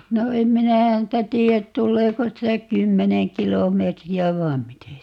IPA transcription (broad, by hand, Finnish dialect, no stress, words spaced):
no em minæ hæntæ tiːæt tulːeːko sitæ kymːeneŋ kilomˑeːtriæ ʋɑi̯m mite sitæ tu